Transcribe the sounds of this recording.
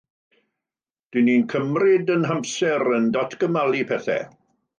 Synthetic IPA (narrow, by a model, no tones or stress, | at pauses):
d̥iniːnkʰəmrɪdənɦampsɛɾəndɔtʰɡ̥əmalˠipʰɛθɛ̰